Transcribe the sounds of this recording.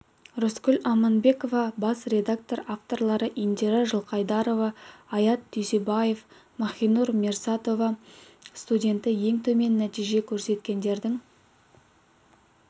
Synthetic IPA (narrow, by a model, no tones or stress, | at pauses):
roskʲʏlʲɑmɑnbe̞ko̞vɑbɑsɾe̞d̪ak̚t̪o̞ɾaft̪o̞rlˠɑɾəʔind̪eɾaʒəlˠqʰɑjd̪ɑɾo̞vɑːjɑt̪d̪ysebɑje̞f | mɑχʲijnuɾmʲersat̪o̞vɑst̪udʲe̞nt̪ɪje̞ŋt̪ʰɵme̞nːæt̪ijʒe̞kʲʰɵɾse̞t̪kʲe̞nd̪e̞ɾd̪ɪŋ